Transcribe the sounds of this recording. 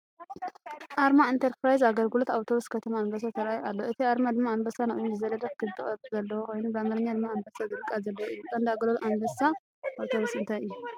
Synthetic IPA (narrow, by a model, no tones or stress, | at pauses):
ʔaɾmaint̪ʰɐɾpɾajzaɡɐlɡɨlot̪awt̪ʰo̞βuskʰɐt̪ʰɐmaːnbɐs̬at̪ʰɐɾʔajalːo̞ʔɨt̪ʰiaɾmad̪ɨmːaːmbɐsanɨχʼuɲːuzɨzɐlɐd̪ɐfkʰɨt̪ʰɨχʼɐzɐlːɐwokʰo̞jnubamɐlɨɲːad̪ɨmːaːmbɐsad̪ɨlkʼazɐlːɐwɨjːukʼɐnd̪aɡlolʔanbɐsa | ʔawt̪ʰoβusɨnt̪ʰajɨjːu